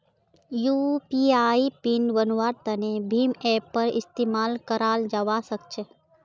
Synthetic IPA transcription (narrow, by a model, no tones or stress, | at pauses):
jupiaːipinʋənʋaːɾt̪ɐnebʱiːmɛːpːəɾɪ̰st̪eːmaːlkəɾaːld͡ʒaʋasək̚t͡ʃʰe